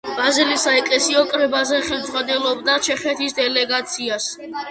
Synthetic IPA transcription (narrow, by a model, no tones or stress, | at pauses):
b̥azilisaɛkʼlɛsiɔkʼɾɛbazɛχɛmd̪zʁanɛlɔbd̪at͡ʃʰɛχɛt̪ʰisd̪ɛlɛɡat̪sʰias